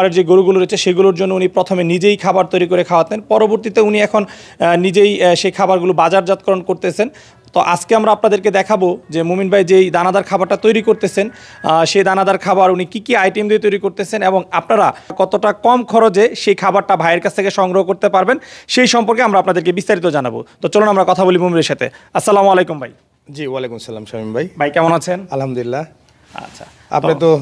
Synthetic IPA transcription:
ɾeɾd͡ʑeɡoɾuɡuloɾet͡ɕʰeʃeɡuloɾd͡ʑonːounipɾot̪ʰomenid͡ʑejkʰabaɾt̪ojɾikoɾekʰaoat̪enpɔɾoboɾt̪it̪euniɛkʰonnːid͡ʑejʃejkʰabaɾɡulobad͡ʑaɾd͡ʑat̪̚kɔɾonkoɾt̪et͡ɕʰen | t̪oʔad͡ʑkeamɾaapnad̪eɾked̪ɛkʰabod͡ʑemominbʱajd͡ʑed̪anad̪aɾkʰabaɾʈat̪ojɾikoɾt̪et͡ɕʰen | ʃed̪anad̪aɾkʰabaɾunikikiajʈiemd̪eɾt̪ojɾikoɾt̪et͡ɕʰeneboŋapnaɾakɔt̪oʈakɔmkʰɔɾod͡ʑeʃejkʰabaɾʈabʱaeɾkat͡ɕʰt̪ʰekeʃɔŋɡɾoɦokoɾt̪epaɾbenʃejʃɔmpoɾkeamɾaapnad̪eɾkebist̪aɾit̪od͡ʑanabo̰t̪ot͡ɕolonamɾakɔt̪ʰabolimumiɾeɾʃat̪ʰḛasːalamualejkumbʱa̰j | d͡ʑiwalekumsalamʃamimbʱajbʱajkɛmonat͡ɕʰenɐlɦɐmd̪uilːa | a̰tːɕʰḁ̰ | a̰pnet̪o

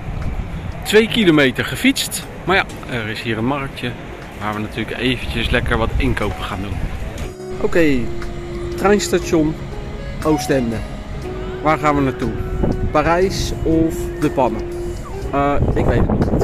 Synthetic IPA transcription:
tʋejkilomejtəɹχəfitst | maːɹja | ɛrɪsɦiːrənmɑrək̚jə | ʋaːɹʋənatyːləkejvəncəslɛkəɹʋɑtɪŋkowpəχaːndumə | ʔowkej | trɛjnstaʃon | owstɛndə | ʋaːɹχaːnʋənaːtupaːrɛjsɔfdəpɑnə | ɪkʋejtənit

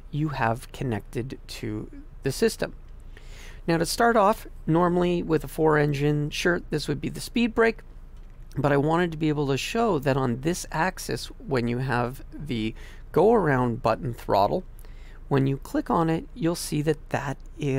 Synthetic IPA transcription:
jɨəv̥kʰɨnɛk̚tɨdtʰɨ̰ | ðɨsɪstɨ̰̃m | naʊɾɨstɑɹɾɔf | nɔɹml̩ˠiwɪðəfɔɹɛ̃nd͡ʒɨ̃nʃɜ˞t̪̚ðɪswɨd̚biðɨspid̚bɹeɪk | b̥ʌɾaɪwɑ̃ɾ̃ɨd̚tʰɨbieɪbl̩ˠtʰɨʃoʊðɨɾn̩ðɪsæksɛ̰swɨ̃njɨəv | ðɨ | ɡ̥oʊə˞ãʊ̃nbʌʔn̩θɹɑ̰ɾl̩ˠ | wə̃njɨkʰl̥ɪkn̩ɪt̚julˠsiðɨt̪̚ðɨɾ | ɪ

